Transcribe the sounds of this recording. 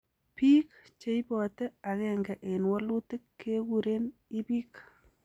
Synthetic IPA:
pi˦kt͡ʃe˦jpɔ˨tɛ˦a˨kɛŋɡɛ˨ʔe˨nwɔ˦lu˦tɪ˦kːe˦kuɾenipiː˦k

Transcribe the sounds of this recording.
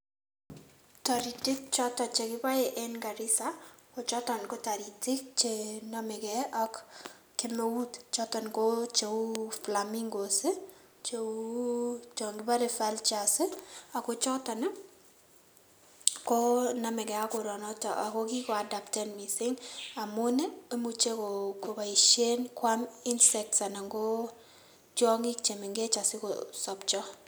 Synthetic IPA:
ta˨ɾi˨tɪ˦k̚t͡ʃɔ˦tɔ˨t͡ʃe˨kɪ˦pa˦eʔɛnɡa˨ɾɪ˦sa˦kɔ˨t͡ʃɔ˦tɔ˨nko˦ta˨ɾi˨tɪ˦k̚t͡ʃenamɪ˨kɛɔ˦kː | ɪ˦mowu˦tt͡ʃɔtɔ˨nkot͡ʃe˨u˦flamiŋɡo˨si˦ | t͡ʃeu | t͡ʃɔŋɡɪba˦ɾe˨fa˦lt͡ʃasi˦a˨ko˦t͡ʃɔ˦ta˨na˦ | kɔ˦na˨mɛ˨kɛ˨a˦ko˨ɾɔ˨nɔ˦t͡ʃa̰ʔa̰˨kɔ˦ki˦kɔ˨a˨da˨p̚tɛ˦nmi˨sɪ˦ŋa˨mʊ˦ne˦e˦mu˨t͡ʃe˦koko˨ba˨i˨ʃe˦nkwami˦nsɛk̚tsa˨na˨ŋɡo˦ | t͡ʃɔ˦ŋɪ˦kt͡ʃe˨mi˨ŋɡe˦t͡ʃa˨sɪ˦ko̰sɔp̚t͡ʃɔ˦

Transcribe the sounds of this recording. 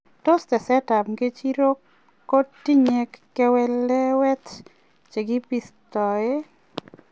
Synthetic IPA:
to˦stɛ˨sɛ˦ta˨mɡe˦t͡ʃi˦ɾo˦ | ko˦tːi˦ɲe˨kːɛ˦wɛ˦lɛ˦wɛ˦t | t͡ʃe˨ɡi˦pi˨stɔ˨e˦

